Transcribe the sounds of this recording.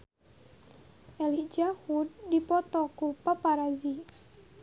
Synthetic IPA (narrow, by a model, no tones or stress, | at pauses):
ʔɛlid͡ʒahudːipɔt̪ɔkupapaɾazi